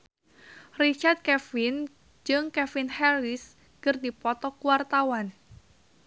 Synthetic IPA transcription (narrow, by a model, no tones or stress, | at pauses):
rit͡ʃard̪̚kɛfin | d͡ʒɨŋkɛfinhɛris | ɡ̥ɨrdipɔt̪ɔkuwart̪awan